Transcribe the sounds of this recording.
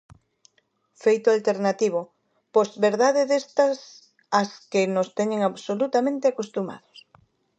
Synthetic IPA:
fejt̪ʊalt̪eɾnat̪iβ̞ʊ | pozβeɾðaðeðest̪ɐs | askɪnost̪eɲeŋaβsolut̪amẽnt̪eakost̪uma̰ðʊs

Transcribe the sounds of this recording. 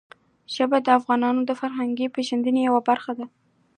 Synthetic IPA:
ʒ̥əbad̪əafɣɑnɑnod̪əfaɾɦaŋɡepeʒand̪ənejawabaɾxad̪a

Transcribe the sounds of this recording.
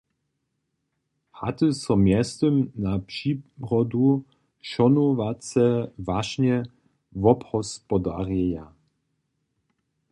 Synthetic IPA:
ha̰t̪əsɔmjɛst̪əmnapʂiːʁɔd̪u | ʃɔnɔvat͡sɛvaʃɲɛ | vɔphɔspɔd̪arjɛja

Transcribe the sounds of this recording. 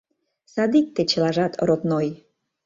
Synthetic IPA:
sɑd̪ik̚t̪et͡ɕə̆lɑʒɑt̪ɾop̪noj

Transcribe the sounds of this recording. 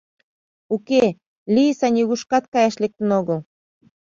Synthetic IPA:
uke | liəsɑnʲiɣuʃkɑt̪̚kɑjɑʃlek̚t̪ə̆noɣəl

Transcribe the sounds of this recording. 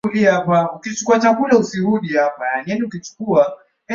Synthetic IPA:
uliapaukit͡ʃukuat͡ʃakulausiɾuɗihapajanianiukit͡ʃu̥kua | ɛ

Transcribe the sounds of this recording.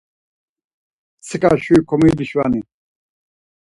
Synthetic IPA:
sʰɨkʼaʃuikʰɔmid̪iʃva̰ni

